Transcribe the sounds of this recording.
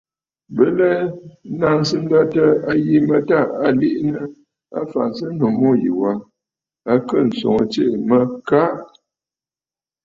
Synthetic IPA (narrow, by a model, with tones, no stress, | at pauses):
bə˦lɛ˦na˦˨n˦sɨ˦n̩˦da˦tə˦a˦ji˦mə˨ta˦˨a˨li˦ʔnə˦ | a̰˦fa̰˨n˨sɨ˦n̩˦no˨mo˦jḭ˨wa˦ | a˦kə˦˨n̩˨so̰˨ŋə˨t͡ʃe˦˨mə˦ka˦ʔ